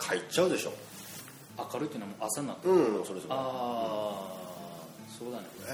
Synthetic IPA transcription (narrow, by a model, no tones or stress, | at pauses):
kʰait͡ɕaɯ̟d̪e̞ɕo̞̰ː | akaɾɯ̟t̪eiɯnamoʔasanːat̪ːsoɾesoa | so̞ːd̪anek